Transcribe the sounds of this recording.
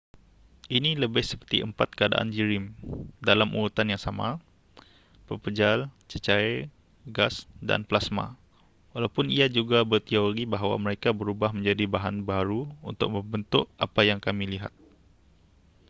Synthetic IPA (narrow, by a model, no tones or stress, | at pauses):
ʔiniləbɪhsə̥pərt̪iʔəmpat̪̚kəada̰ʔa̰nd͡ʒiɾɪmdalamṵɾut̪anjaŋsamã̰ | pəpəd͡ʒalt͡ʃət͡ʃae | ɡasda̰nplasma̰ | walawpʊniad͡ʒuɡabərt̪ioɾibaɦawa̰məɾekabəɾubahmə̃ɲd͡ʒadibaɦanbaɾuṵnt̪ʊ̰k̚mə̃mbənt̪ʊʔapajaŋkamĩliɦa̰t̪̚